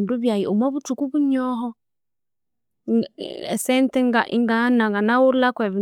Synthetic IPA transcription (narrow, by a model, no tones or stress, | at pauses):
nduβjajiumɔβutukuβuɲɔɦɔ | ɛsɛntɛŋɡaʔḭŋɡanaŋɡanawuɾlakwɛβi